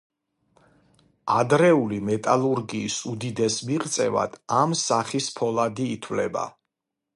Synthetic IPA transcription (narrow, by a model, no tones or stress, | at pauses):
ad̪ɾɛulimɛt̪ʼalˠuɾɡiːsud̪id̪ɛsmiʁt̪sʼɛ̰va̰d̪̥amsaχispʰɔlˠad̪iːt̪ʰvlɛba̰